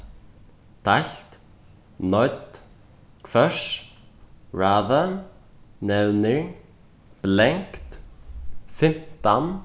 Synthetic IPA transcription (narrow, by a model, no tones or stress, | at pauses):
t̪ʰajɬt̪ | nɔjt̪ | kʰvœs | ɹaːða | nɛwnɪ | pleŋkt̪ | fɪm̥t̪an